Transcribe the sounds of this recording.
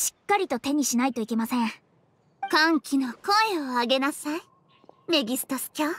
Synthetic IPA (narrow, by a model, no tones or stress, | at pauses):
ɕi̥kːaɾʲit̪o̞t̪e̞ɲ̟iɕinait̪o̞ike̞masẽ̞ | kãŋkʲino̞ko̞eoaɡe̞nasai | me̞ɡʲisɨ̥t̪osɨ̥kʲoː